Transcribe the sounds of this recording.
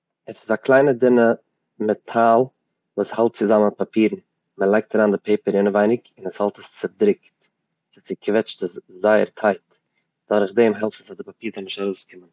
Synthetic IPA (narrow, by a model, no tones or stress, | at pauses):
ɛsɪzaklˠaɪnədɪnə | mɛtʰalˠ | vuːshalˠt̚t͡sɪzamənɪt̚papʰiːɾn̩ | məlˠaɪk̚taɾaːndɪpʰeɪpəɾɪnəvaɪnɪkɪnəshalˠtəst͡sɪɾdɾɪkt | sɪt͡sɪkʰvɛt͡ʃtəszaɪəɾtʰaɪt | d̥aɾχdemɦɛlˠftəsadɪpapiːɾdanɪʃtaɾoʊskʰɪmən